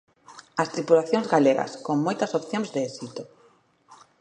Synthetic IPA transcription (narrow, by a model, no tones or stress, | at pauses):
ɐst̪ɾipulaθjõŋzɣaleɣɐ̰skoŋmojt̪ɐsopθjoŋzðeesit̪o